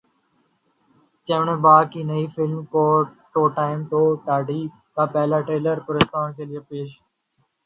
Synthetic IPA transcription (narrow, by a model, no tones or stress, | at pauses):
t͡ʃəʋɳ̃ːbaːkiːnəiːfɪlmkoːʈoːʈaːɪmt̪oːʈaːɖʱiː | kaːpɛːlaːʈɾeːləɾpʊɾeːskaːɳkʰeːlɪjeːpeːʃ